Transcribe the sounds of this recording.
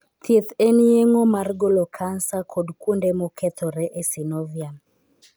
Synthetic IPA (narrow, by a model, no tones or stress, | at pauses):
t̪jet̪enjeŋomarɡolokʰansakʰɔdkundemɔkʰɛt̪ʰɔɾɛʔesinovjam